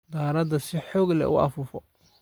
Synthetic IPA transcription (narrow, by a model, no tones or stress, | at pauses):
d̪aːɾɐd̪ɐsɪħɔːɡlɛ̰ʔʊ̰ʔɐ̰fʊfɔ